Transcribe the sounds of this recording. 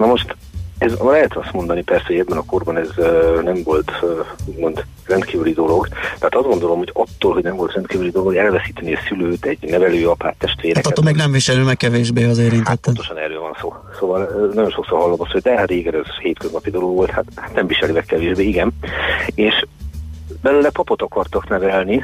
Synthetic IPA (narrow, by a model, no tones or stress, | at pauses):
nɒmo̞ʃt̪ | ɛzlɛɦɛt̪ɒst̪mo̞nd̪ɒnipɛrsɛhoɛbːɛnɒko̞rbɒnɛznɛɱvo̞lt̪ːuɟmo̞nd̪ | rɛnt̪kiːvylid̪o̞lo̞ɡt̪ɛɦaːt̪ɒzɡo̞nd̪o̞lo̞mhoɟɒt̪ːoːlɦo̞ɟnɛɱvo̞lt̪rɛnt̪kiːvylid̪o̞lo̞ɡɛlvɛsiːt̪ɛneːsyløːt̪ɛɟnɛvɛløːɒpaːt̪ːɛʃt̪ʋeːɾaɒtt̪ːoːmeːɡnɛɱviʃɛlimɛkːɛveːʒbeːɒzeːɾint̪ːɛt̪ːoɛt̪oʃɒnɛrːøːlvɒnsoː | soːvɒlnɒɟonʃo̞ksorɦɒlːomɒsːod̪ɛɾeːɡɛɾɛzheːt̪køznɒpid̪o̞loɡʋo̞lt̪hat̪hat̪nɛmviʃɛlimɛkːɛveːʒbeːiɡɛneːʃ | bɛløːlɛpɒpot̪ɒkɒrt̪ɒknɛvɛlni